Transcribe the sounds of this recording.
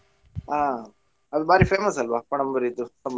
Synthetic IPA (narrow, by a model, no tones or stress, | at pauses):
aː | ɐd̪ubaːɾifeːmɐsɐlʋapɐɳ̃ɐmbɐɾid̪uɐm